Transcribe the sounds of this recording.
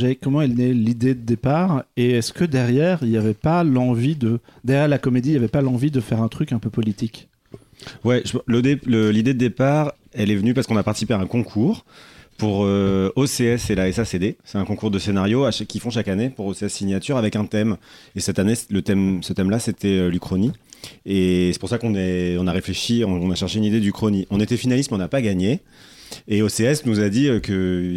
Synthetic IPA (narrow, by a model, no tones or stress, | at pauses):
ʒɛkɔmɑ̃ɛlnɛlid̪ed̪əd̪epaʁeɛskəd̪ɛʁjɛʁiljavɛpalɑ̃vid̪əd̪ɛʁjjɛʁlakɔmed̪iljavɛpalɑ̃vid̪əfɛʁɛ̃t̪χykɛ̃pøpɔlit̪ik | wɛʒəlod̪eləlid̪ed̪əd̪epaʁ | ɛlɛvənypaʁsəkɔ̃napaχt̪i̥sipeaɛ̃kɔ̃kʰuːʁpuʁøoseɛselaɛsased̪esɛt̪ɛ̃kɔ̃kuʁd̪əsenaʁjoaʃakʲifɔ̃ʃakanepuʁoseɛsːiɲjat̪yʁavɛkɛ̃t̪ɛmesɛt̪anelət̪ɛmsət̪ɛmlaset̪ɛølykχɔniesɛ̥puʁsakɔ̃nɛɔ̃naʁefleʃiɔ̃ɔ̃naʃɛʁʃeynid̪ed̪ykχoniɔ̃net̪ɛfinalist̪meɔ̃napaɡaɲeː | oseɛsnuzad̪iøkə